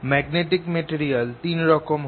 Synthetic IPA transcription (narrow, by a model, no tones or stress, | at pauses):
mɛːɡneːʈɪkmeʈiːɾijəlt̪iːnɾɔkom